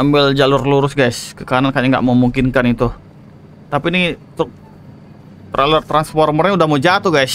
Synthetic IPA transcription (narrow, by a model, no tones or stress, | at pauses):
ambɪld͡ʒalʊrluɾʊsɡajskəkaanankaɲaŋɡa̰ʔməmuŋkɪnkanit̪ʊ | t̪apinit̪ʊk̚ | t̪ɾʔalʊrt̪ɾansfɔrmərɲaudahmod͡ʒat̪uɡajs